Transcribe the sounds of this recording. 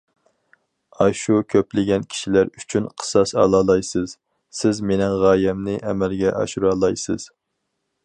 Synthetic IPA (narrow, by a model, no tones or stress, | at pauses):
ɑʃukʲʰøplɪɡʲɛnkʲʰi̥ʃilæɾyt͡ʃʰynqʰə̥sɑsɑ̰lˠɑːlˠɑjsɨz̥ | sɪzmenɪŋʁɑːjɛmnɪʔɛmɛlɡʲɛʔɑ̰ʃuɾɑːlˠɑjsɨz̥